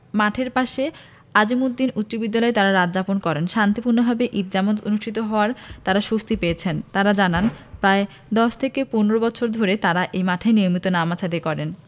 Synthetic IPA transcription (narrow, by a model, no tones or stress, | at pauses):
maʈʰeɾpaʃe | ad͡ʑimut̪̚d̪inutːɕobid̪ːalɔet̪aɾaɾad͡ʑaponkɔɾenʃant̪ipuɾnobʱabeʔit̪̚d͡ʑamot̪onuʃʈʰit̪oɦɔoaɾt̪aɾaʃust̪ipeet͡ɕʰent̪aɾad͡ʑananpɾae | d̪ɔʃt̪ʰekeponoɾobɔt͡ɕʰoɾd̪ʱoɾet̪aɾaʔejmaʈʰaenijomit̪onamat͡ɕʰad̪ekɔɾen